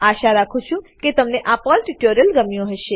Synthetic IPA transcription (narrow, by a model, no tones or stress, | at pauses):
aʃaɾakʰũt͡ʃʰũket̪əmneʔapɔlʈiʈoɾijəlɡəmjõɦəʃe